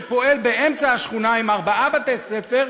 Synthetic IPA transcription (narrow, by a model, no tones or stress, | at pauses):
po̞e̞lbeʔemt͡saaʃχunaimaʁbaabat̪esefeʁ